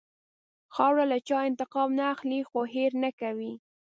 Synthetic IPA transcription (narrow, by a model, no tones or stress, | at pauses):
xɑwɽalat͡ʃɑɪnt̪ɪqɑmnaːxlixoɦeɾnakawi